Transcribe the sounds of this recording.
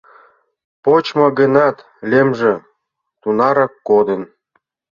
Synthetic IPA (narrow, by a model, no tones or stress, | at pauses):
pot͡ɕmoɡə̆nɑt̪ | lʲemʒĕ | t̪unɑɾɑkːod̪en